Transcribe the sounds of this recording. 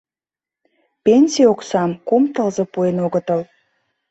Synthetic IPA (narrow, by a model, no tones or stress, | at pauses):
penʲsʲioksɑmkumt̪əlzɤpuenoɣət̪əl